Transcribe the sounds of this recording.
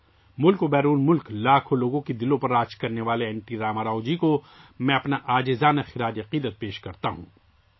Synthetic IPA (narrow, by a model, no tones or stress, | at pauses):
mʊlkobɛːɾuːnmʊlklaːkʰoloːɡõkid̪ɪlõpɐɾːaːt͡ʃkɐɾneʋaːleɛːɳʈiɾaːmaɾaːʊd͡ʒiko | mɛ̃ɐpnaʔaːd͡ʒezaːnaxɪɾaːd͡ʒɐqiːd̪ət̪̚peːʃkɐɾt̪aɦṵ̃ː